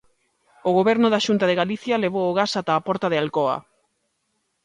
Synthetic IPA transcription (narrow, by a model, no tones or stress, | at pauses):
oɣoβɛɾnoðaʃunt̪aðeɣaliθjaleβ̞oːɣasat̪aːpɔɾt̪aðealkoa̰